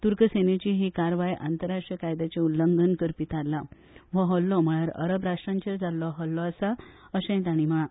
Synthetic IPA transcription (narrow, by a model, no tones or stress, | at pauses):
t̪uɾkəsenet͡ɕiɦikaɾʋajʔa̰nt̪əɾaʂʈɾijəkajd̪at͡ɕeulːəŋɡənkəɾpit̪alːa | ʋəɦɔlːɔm̤əɭaɾə̰ɾəbɾaʂʈɾãɲt͡ɕeɾd͡zalːɔɦɔlːɔasa | əɕɛ̃j̃t̪aɽ̃im̤əɭã